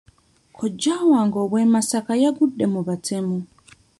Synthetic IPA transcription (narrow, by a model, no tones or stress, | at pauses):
kʰɔd͡ʒawaŋɡɔβwɛmasakajaɡuɗɛmuβatʰɛmɔ